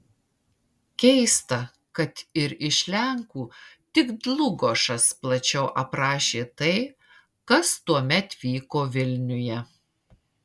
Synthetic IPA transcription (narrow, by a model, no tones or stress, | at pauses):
kʲɛɪst̪ɐ | kɐt̪ɪɾɪʃʲlʲɛŋkuːt̪ʲɪɡd̪lˠʊɡoʃɐsplˠɐt͡ʃʲɛʊʔɐpɾɑːʃʲeːt̪ɐɪ | kɐst̪uɔmʲɛt̪ʋʲiːkoːʋʲɪlʲnʲʊjɛ